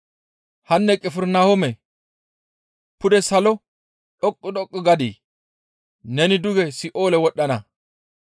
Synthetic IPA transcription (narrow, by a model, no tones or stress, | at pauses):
hɐnːɛkʼɛfɪɾnahɔmɛ | pʊd̪ɛsɐlɔ | ᶑɔkʼːʊɗɔkʼːɪɡɐd̪iː | nɛnɪd̪ʊɡɛsɪʔo̞ːlɛwɔɗːɐnɐ